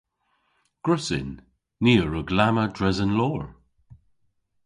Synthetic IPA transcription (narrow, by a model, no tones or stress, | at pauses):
ɡ̥ɹʊsɪ̰nː | iːəɹəɡlamədɹɛzənlɔːɹ